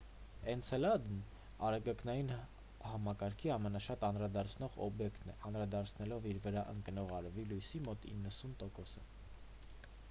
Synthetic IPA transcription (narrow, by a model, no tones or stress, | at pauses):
ɛnt͡sʰɛlɑd̪n | ɑɾɛɡɑknɑjin | hɑmɑkɑɾkʰiɑmɛnɑʃɑt̪ɑnɾɑd̪ɑɾt͡sʰnɔʁɔ̰bjɛkt̪nɛ̰ʔɑnɾɑd̪ɑɾt͡sʰnɛlɔviɾvəɾɑʔə̰ŋkənɔʁɑɾvilujsimɔt̪ḭnːəsunt̪ɔkɔsə